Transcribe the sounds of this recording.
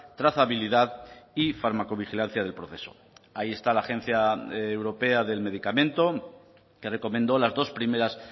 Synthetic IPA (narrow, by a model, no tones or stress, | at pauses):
t̪ɾaθaβiliðaðifaɾmako̞β̞ixilan̟θjað̞e̞lpɾo̞θe̞so̞̥̰ | aie̞st̪alaːxe̞n̟θjaewɾo̞pe̞aðe̞lme̞ðikamẽ̞nt̪o̞ | ke̞re̞ko̞mẽ̞nd̪o̞lazðo̞spɾime̞ɾas